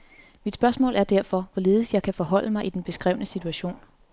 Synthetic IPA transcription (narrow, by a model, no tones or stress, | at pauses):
mid̥sb̥ɶɐsmɔ̰̽ːlʔæɐd̥æɐ̰fɒ̽ʋɒle̝ːð̞̩ˠsjɑ̈ɪkʰæfɒ̽ɦɒ̽l̰əmɑ̈ɪʔid̥enb̥e̝sɡ̥ʁɛ̰ʊnəsit͡sʰuæɕo̝̰ːn